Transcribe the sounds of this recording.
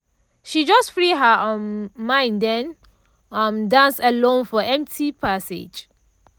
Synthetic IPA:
ʃid͡ʒʌstfɹiɦə | mãɪ̃ndɛ̃n | ʌmdãnsəlõnfɔʔɛ̃mtʰipʰasɪ̰d͡ʒ

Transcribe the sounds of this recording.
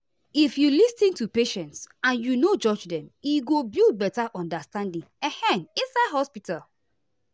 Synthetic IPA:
ifjulistĩntupeʃɛ̃ntsãnjunod͡ʒɔd͡ʒdɛ̃miɡobilˠd̚bɛtaʔɔ̃ndastãndĩŋɛhɛ̃nĩnsaɦɔspitalˠ

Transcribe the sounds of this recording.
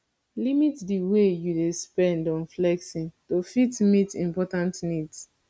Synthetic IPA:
limitdiwejudespɛ̃ndɔ̃nflɛksĩntofitmitḭ̃mpɔtãntnids

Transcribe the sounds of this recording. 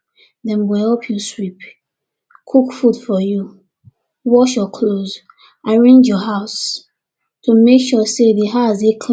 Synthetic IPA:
dɛ̃nwɛhɛlpʰjuswip | kʰukfudfɔju | wɔʃjɔkʰloz | ʔaɹẽnd͡ʒjɔɦaʊs | tʰumekʃɔsedeɦazekʰ

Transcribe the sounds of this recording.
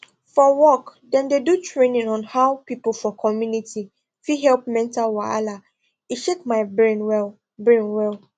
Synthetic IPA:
fɔwɔkdɛ̃ndedutʰɹẽnĩŋɔ̃nhawpʰipʊfɔkʰɔmjũnitʰi | fiɦɛlp̚mɛ̃ntʰalwɔa̰la | iʃekmãɪbɹẽnwɛl | bɹẽnwɛl

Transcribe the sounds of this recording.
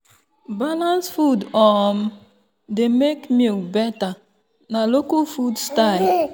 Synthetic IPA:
balãnsfudɔm̩ | demekmilbɛta | nalokʊlfudstaɪl

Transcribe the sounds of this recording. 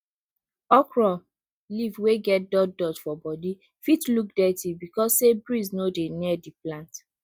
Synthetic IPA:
ɔkɹɔ | livweɡɛt̚dɔddɔdfɔbɔdi | fitluk̚dɛtibikɔssebɹiznodeniɛdiplãnt

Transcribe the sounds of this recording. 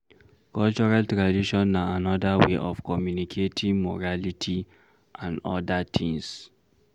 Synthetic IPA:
kɔlt͡ʃɔɹaltɹadiʃɔ̃nːaanɔdaweʔɔfkɔmjunikʰetʰĩŋmɔ̰ɹalitʰi | ʔãndɔ̰datʰĩŋs

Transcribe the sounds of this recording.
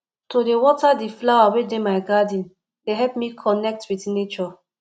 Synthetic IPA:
todewɔtadiflawawedemaɪɡadĩn | deɦɛlpmikʰɔnɛk̚twitnet͡ʃɔ

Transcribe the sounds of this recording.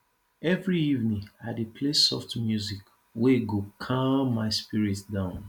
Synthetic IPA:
ɛvɹiivnĩadepʰlesɔ̰ftmjuzik | weɡokʰãmːaɪspiɹitdãʊ̃n

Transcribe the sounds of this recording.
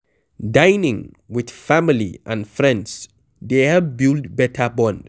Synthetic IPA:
dãjnɪ̃ŋ | wɪd̥familḭʔãnfɹɛ̃nds | d̪eavbɪldbɛtʰəbɔ̃nd

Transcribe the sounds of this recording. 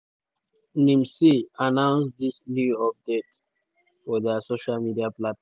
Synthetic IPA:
nĩmsianãʊ̃nsd̪isnjuɔp̚deʈ | fɔd̪əsoʃalmiɖiaplatf

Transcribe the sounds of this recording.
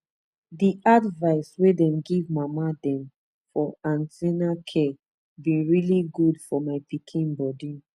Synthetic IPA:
diʔadvaɪswedɛ̃mɡivmamadɛ̃m | fɔãntɛnakʰɛ | bĩɹiliɡudfɔmaɪpikʰĩnbɔdi

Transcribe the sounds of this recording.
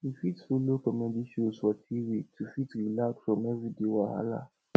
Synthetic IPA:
ifitfolokɔmɛ̃biʃoswɔtʰiwetʰufitɾilakfɾɔ̃mɛvidewaha̰la̰

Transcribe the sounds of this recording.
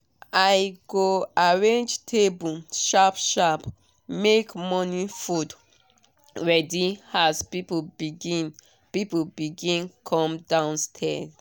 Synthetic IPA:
ajɡoaɹẽnd͡ʒtʰebuʃapʃap | mekmɔnifud | ɹɛdiaspipobiɡĩn | pipobiɡĩnkʰɔ̃mdãʊ̃nstʰɛ̰s

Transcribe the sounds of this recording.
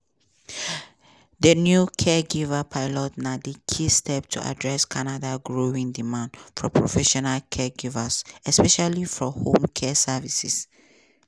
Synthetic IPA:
dənjukʰɛɡivəpʰaɪlɔtnadikʰistʰɛp̚tʰṵʔa̰dɹɛskʰanadaɡɹoĩŋdimãndfɔpʰɹɔfɛʃɔnalkʰɛɡivəsɛspɛʃalifɔhõmkʰɛsɛvisis

